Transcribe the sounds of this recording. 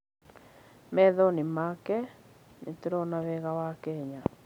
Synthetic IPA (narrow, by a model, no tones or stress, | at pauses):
mɛðɔnimakɛ | net̪eɾɔnaβɛɣawakɛɲa